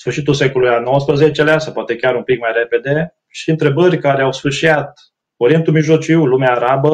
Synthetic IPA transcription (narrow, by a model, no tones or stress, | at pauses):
sfɨrʃit̪ulse̞kolujano̞wəspɾəzet͡ʃeleasawpoat̪e̞kʲaɾumpikmajɾe̞pe̞d̪e̞ | ʃiɨnt̪ɾe̞bərʲkaɾeawsfɨrʃiat̪̚ | oɾie̞nt̪ulmiʒlo̞t͡ʃiwlumeaːɾabə